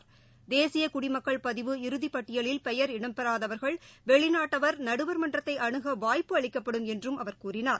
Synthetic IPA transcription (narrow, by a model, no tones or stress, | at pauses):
d̪eːsɪjɐkʊɽɪmɐkːɐɭpɐðɪʋɯɪɾɯðipːɐʈːɪjɐɭɪlpɛjɐɾɪɽɐmpɛɾaːðɐʋɐɾɣɐɭʋɛɭɪnaːʈːɐʋɐɾnɐɽɯʋɐɾmɐndrɐt̪ːɐɪʔɐɳɯɣɐʋaːjpːɯɐɭɪkːɐpːɐɽɯmɛndrɯmɐʋɐɾkuːɾɪnaːɾ